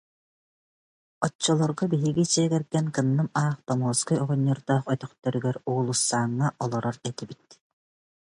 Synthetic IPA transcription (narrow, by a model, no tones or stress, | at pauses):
ɔt͡ɕːɔlˠɔɾɡɔbiɦiɡit͡ɕiɛɡɛɾɡɛnkɯnːɯmaːχt̪ɔmuːskɯɔʁɔɲːɔɾd̪aːχœt̪œχt̪œɾyɡɛɾuːlˠusːaːŋːaʔɔlˠɔɾɔɾɛt̪ibit̪